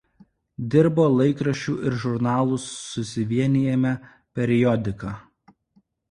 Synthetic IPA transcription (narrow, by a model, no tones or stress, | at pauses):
d̪ʲɪɾboːlˠɐɪkɾɐʃʲt͡ʃʲuːʔɪɾʒʊɾnɑːlˠʊsːʊsʲɪʋʲiɛnʲɪjɛmʲɛ | pʲɛɾʲɪjɔd̪ʲɪkɑː